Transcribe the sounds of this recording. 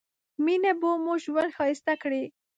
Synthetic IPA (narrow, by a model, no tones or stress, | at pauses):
minabomoʒwand̪xɑjɪst̪akɽe